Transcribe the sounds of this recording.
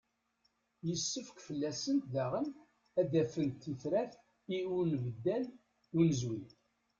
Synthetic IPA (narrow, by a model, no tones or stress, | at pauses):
jəsːəfkfəlːæsənt̪ðæʁəm | æd̪æfənt̪ːiθɾæθ | iunvəd̪ːæl | unəzwi